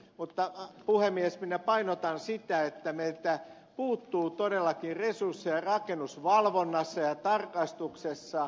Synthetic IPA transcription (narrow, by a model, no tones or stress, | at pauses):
mut̪ːɑpuhemiesminæpɑinot̪ɑnsit̪æet̪ːæmeit̪æ | puːt̪ːuːt̪odelːɑkiresursːijɑrɑkenːusʋɑlʋonːɑsːɑjɑt̪ɑrkɑst̪uksesːɑ